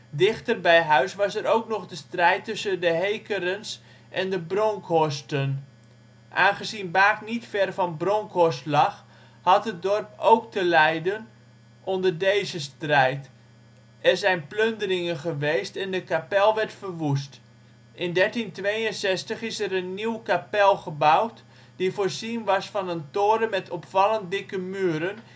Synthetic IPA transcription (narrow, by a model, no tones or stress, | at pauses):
dɪχtərbɛjɦœɥsʋɑsɛɾowknɔχdəstrɛjtːʏsəndəɦejkəɾəns | ʔɛndəbroŋkʰɔstən | ʔa̰ːnχəzinbaːknitfɛrvɑnbroŋkʰɔstlɑχ | hɑtɦət̚dɔrp̚owk̚təlɛjdən | ʔɔndərdejzəstrɛjt | ɛrzɛjnpløndərɪŋənχəʋejstɛndəkapɛlˠʋɛrtfərʋus̬t | ɪndɛrtintʋejənsɛstəχɪsɛɾənːiwkapɛlˠχəbawt | d̥ifoːɹzinʋɑsfɑnəntoːɾəmɛtʰɔpfɑlˠənt̚dɪkəmyːəɾən